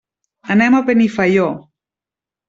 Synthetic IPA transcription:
anɛmapenifajo

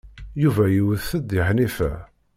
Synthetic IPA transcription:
juvæjiwəðθəd̪iħnifæ̰

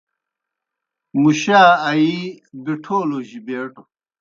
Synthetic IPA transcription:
muɕaːi | biʈʰoːloʑibeːʈo

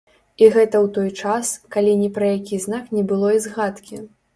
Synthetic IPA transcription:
iɣɛt̪ɐwt̪ɔjt͡ʂaskalʲinʲɛpɾɐjakʲiznaknʲɛbɨlˠɔizɣat̪kʲi

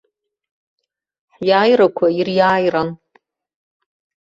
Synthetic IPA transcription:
ħjaːjrakʷʰairjaːjran

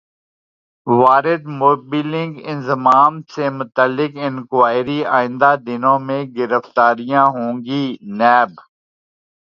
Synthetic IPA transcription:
ʋaːɾɪd̪moːbiːlɪ̃ŋɡɪ̃nzɪmaːmsemʊt̪əlːɪkɪnkʋaːɪɾiaːɪ̃nd̪ad̪ɪnõːmẽɡɪɾəft̪aːɾijãːɦõːŋɡiːnɛːb

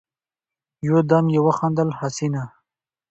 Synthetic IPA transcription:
jod̪amjewaxɑnd̪əlhasina

